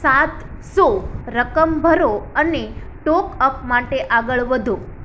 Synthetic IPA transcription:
sat̪soɾəkəmbʱəɾoəneʈɔkəpmaʈeʔaɡəɭʋəd̪ʱo

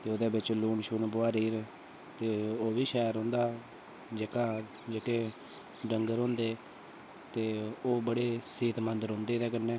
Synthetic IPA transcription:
t̪eːoːd̪eːbɪt͡ʃluːɳʃuːnbʊaːɾiːɾ | t̪eːoːʋiːʃɛːɾɦõːnd̪aː | d͡ʒekaː | d͡ʒəkeː | ɖəŋɡəɾɦõːnd̪eː | t̪eːoːbəɽeːsiːt̪mənd̪əɾɦõːnd̪eːd̪eːkənːeː

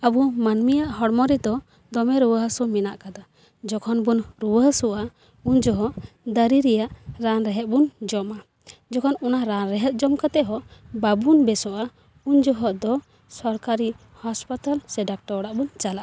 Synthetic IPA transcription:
əbumanmijaʔɦɔɽmɔɾid̪ɔ | d̪ɔmɛɾuwəɦsumina̰ʔkad̪a | d͡ʒɔkʰɔnbunɾuwəɦsuʔa | uɲd͡ʒɔɦɔʔ | d̪əɾiɾɛjaʔɾanɾɛɦɛt̪̚bund͡ʒɔma | d͡ʒɔkʰɔnɔnaɾanɾɛɦɛt̪̚ˀd͡ʒɔmkat̪ɛɦɔʔbabunbɛsɔʔa | uɲd͡ʒɔɦɔʔd̪ɔ | sɔɾkaɾi | haspat̪alsɛɖak̚ʈɔɔɽaʔbunt͡ʃalaʔa

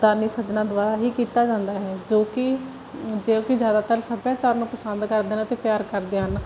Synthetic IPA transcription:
d̪aːɾniːsəd̪nãːd̪ʊʋaːɾaːɦiːkiːt̪aːd͡ʒãːnd̪aːɦɛːd͡ʒoːkɪ | d͡ʒeːoːkɪd͡ʒjaːd̪aːt̪əɾsəbjaːt͡ʃaːɾnũːpəsənd̪kəɾd̪eːnãt̪eːpjaːɾkəɾd̪eːɦən

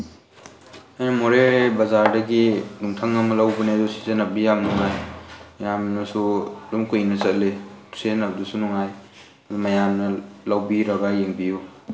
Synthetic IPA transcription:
ajnɐmoɾebɐzaɾdɐɡinuŋtʰaŋɐmɐlawbunedusi̥zenɐbijamnuŋajjamnɐsudumkujnɐsɐt̚leu̥senɐp̚dusunuŋaj | umɐjamnɐlawbiɾɐɡajeŋbiju

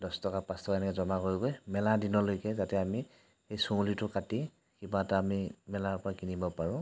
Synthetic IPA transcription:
dɔstɔkapãstɔkaɛnɛkɛzɔmakoɹiɡojmɛladinɔlojkɛzatɛami | ejsoŋlitʊkati | kibataːmimɛlaɹpɔɹakinibɔpaɹʊ̃

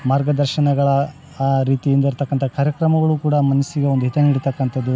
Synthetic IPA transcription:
maːɾɡɐd̪ɐɾʃɐnɐɡɐɭɐ | ɾiːt̪ijind̪ɐiɾt̪ɐkːɐnt̪ʰɐkaːɾjɐkɾɐmɐɡɐɭukuːɽɐmɐnɐsiɡeond̪uɦit̪ɐniɽit̪ɐkːɐnt̪ʰɐd̪ːu

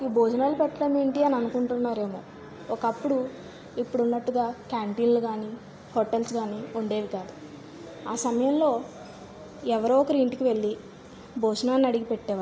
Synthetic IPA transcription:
iboːd͡ʒnaːlupɛʈːɐɽɐme̞ːɳʈiɐniɐnukuɳʈunːaːɾe̞ːmo̞ː | ɔkɐpːuɽu | ipːuɽunːɐʈːuɡaːkaːɳʈiːnluɡaːni | hoʈelsɡaːniuɳɖe̞ːʋikaːd̪u | aːsɐmɐjɐmlo̞ː | ɛʋɐɾuːɔkɐɾiɳʈikiʋe̞ɭːi | boːd͡ʒɐnaːnːɐɽiɡipeʈːɛːʋa

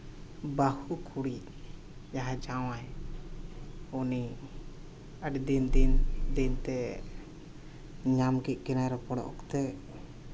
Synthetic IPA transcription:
bahukʰuɽiʔ | jaɦad͡ʒawaj | uni | əɖd̪ind̪ind̪int̪ɛ | ɲamɡɛc̪̚ˀkɛnajɾɔpɔɽɔ̰ʔɔ̰kt̪ɛ

